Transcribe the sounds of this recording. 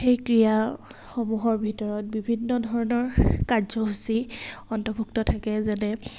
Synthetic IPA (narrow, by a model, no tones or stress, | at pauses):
xejkɹijaxomuɦɔɹbʱitɔɹɔt̚bibʱinːɔdʱɔɹɔnɔɹkazɔɦusiɔntɔbʱuktɔtʰakɛzanɛ